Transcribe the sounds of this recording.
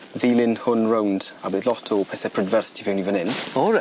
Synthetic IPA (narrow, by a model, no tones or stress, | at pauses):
viːlˠɪnhʊnɹowndabeːdlɔtʰɔpʰɛθɛpʰɹ̥ədvɛrθtʰivɛwnivənɪnɔ